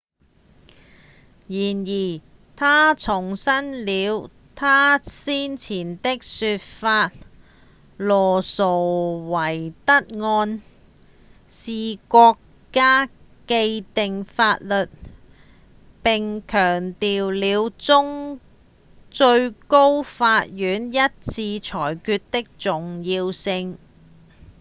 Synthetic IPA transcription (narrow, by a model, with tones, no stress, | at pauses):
jiː˨˩njiː˨˩ | t̪ʰaː˥t͡sʰʊ˨˩ŋsɐ˥nliː˨˧w | t̪ʰaː˥siː˥nt͡sʰiː˨˩nt̪ɪ˥k̚syː˧t̚faː˧t̚ | lɔː˨˩so˨˩wwɐ˨˩jt̪ɐ˥t̚ŋɔː˧n | siː˨kʷɔː˧kː | aː˥ | ke˧jt̪ɪ˨ŋfaː˧t̚lɵ˨t̚ | pɪ˨ŋkʰœː˨˩ŋt̪iː˨wliː˨˧wt͡sʊ˥ŋ | t͡sɵ˧ɥko˥wfaː˧t̚jyː˨˥njɐ˥t̚t͡sʰiː˧t͡ʃʰɔː˨˩jkyː˧t̚t̪ɪ˥k̚t͡sʊ˨ŋjiː˧wsɪ˧ŋ